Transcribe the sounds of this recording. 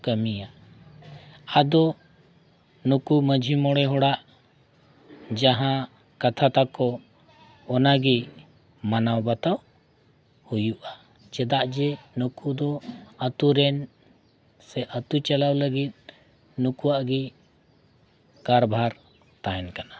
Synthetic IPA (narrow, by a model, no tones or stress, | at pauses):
kəmija | ad̪ɔ | nukuməd͡ʒʱimɔɽɛɦɔɽaʔ | d͡ʒaɦã | kat̪ʰat̪akɔ | ɔnaɡi | manawbat̪aw | hujuʔa | t͡ʃɛd̪aʔd͡ʒɛnukud̪ɔət̪uɾɛn | sɛʔət̪ut͡ʃalawləɡit̪̚ˀ | nukuwaʔɡi | kaɾbʱaɾ | t̪aɦɛnkana